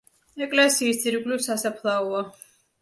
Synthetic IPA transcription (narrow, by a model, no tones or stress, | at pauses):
ɛkʼlɛsiːstd̪ziɾɡlisasapʰlˠaua